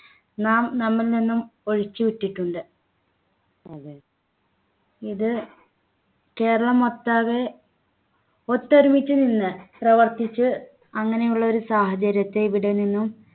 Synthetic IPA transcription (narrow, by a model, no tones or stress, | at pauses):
naːmnɐmːɐlninːumo̞ɻit͡ɕːɨʋiʈːiʈːuɳɖɨ | iðɨ | ke̞ːɾɐɭɐmo̞t̪ːaːɣe | ot̪ːɐɾumit͡ɕːɨninːɨprɐʋɐrt̪it͡ɕːɨ | ɐŋːɐne̞juɭːɐo̞ɾusaːhɐt͡ɕɐɾjɐt̪ːe̞iʋiɽeninːum